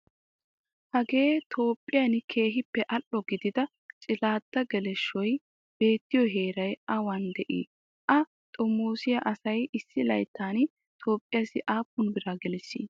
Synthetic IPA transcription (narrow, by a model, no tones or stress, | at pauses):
hɐɡe̞ːt̪ʰo̞ːpʼːɪjɐnkʰe̞ːɦɪpːɛʔɐlːɔɡɪd̪ɪd̪ɐ | t͡ʃʼɪlaːd̪̥ːɐɡɛlɛʃːɔj | b̥e̞ːt̪ːɪjɔɦe̞ːɾɐjʔɐwɐnd̪ɛʔḭː | ʔɐ | t̪ʼɔmːoːsɪjɐʔɐsɐjɪsːɪlɐjt̪ʰːaːn | t̪ʰo̞ːpʼːɪjasɪʔaːpːʊnbɪɾaɡɛlɛsːḭː